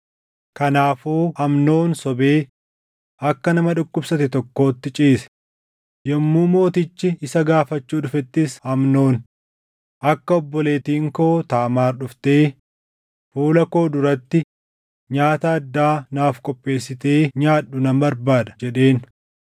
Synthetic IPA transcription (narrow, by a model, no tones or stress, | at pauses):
kɐnaːfuːhɐmno̞ːnsɔbe̞ː | ɐkːɐnɐmɐᶑʊkʼːʊbsɐt̪ɪt̪ɔkːo̞ːt̪ːɪt͡ʃʼiːsɛ̥ | jɛmːuːmo̞ːt̪ɪt͡ʃːɪɪsɐɡaːfɐt͡ʃːuːᶑʊfɛt̪ːɪshɐmno̞ːn | ʔɐkːɐɔbːɔle̞ːt̪iːŋkoːt̪aːmaːɾɗʊft̪e̞ː | fuːlɐko̞ːd̪ʊɾɐt̪ːɪ | ɲaːt̪ɐɐd̪ːaːnaːfkʼɔpʼːe̞ːsːɪt̪e̞ːɲaːᶑːʊnɐmbɐɾbaːd̪ɐ̥d͡ʒɛᶑe̞ːn